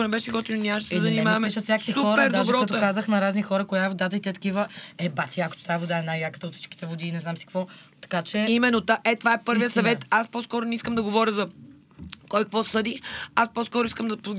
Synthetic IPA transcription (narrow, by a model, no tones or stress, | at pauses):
onɛbɛʃɛɡɔt̪inonʲaʃɛszɐnimavɐmɛʃət̪sʲjaksisuxɔɾəɾd̪aʒɛɾkɐt̪okazəxnɐɾaznixɔɾəkojavod̪ad̪əit̪ɛt̪ɐ̥kivəɛbat̪iako̥t̪o̥t̪avod̪aɛnajakə̥t̪əot̪si̥t͡ʃk̟i̥t̪ɛvod̪iːnɛznamsi̥kvɔ | t̪ɐ̥kat͡ʃɛimɛnːot̪aʔɛt̪ovaɛpɤɾvijəsɐvɛt̪aspɔskɔɾʊnɛiskəmd̪ɐɡovɔɾʲjəzɐ | kɔjkkvɔsɤd̪iaspɔskɔɾʊiskəmd̪ɐ